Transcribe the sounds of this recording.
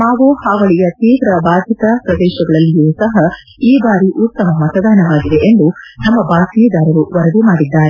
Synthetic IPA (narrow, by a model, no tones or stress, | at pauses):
maːʋuhaːʋɐɭijɐt̪iːʋɾɐbaːd̪ʱit̪ɐpɾɐd̪ɛːʃɐɡɐɭɐlːijusɐɦɐ | iːbaːɾiʔut̪ːɐmɐmɐt̪ɐd̪aːnɐʋaːɡid̪e̞ʔend̪unɐmːɐbaːsiːd̪aːɾɐɾuʋɐɾɐd̪imaːɽid̪ːaːɾe